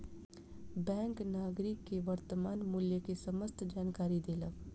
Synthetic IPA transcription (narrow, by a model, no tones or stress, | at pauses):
bɛ̃ːŋknaːɡɾɪkːeʋəɾt̪əmaːnmʊljəkesəməst̪ʰd͡ʒaːnkaːɾid̪eːlək